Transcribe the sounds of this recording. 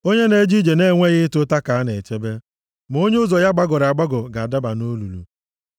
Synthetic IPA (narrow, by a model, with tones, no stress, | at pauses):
o˦ɲe˦ne˦d͡ʒi˦d͡ʒe˨ne˦ŋʷe˦ɣɪ˦tʊ˦ta˦ka˨a˦ne˨t͡ʃe˦be˦ | m˨o˦ɲe˦ʊ˦zɔ˨ja˦ɡ͡ba˦ɡʊ˨ɾa˨ɡ͡ba˦ɡʊ˨ɡa˨da˦ba˨no˦lu˨lṵ˨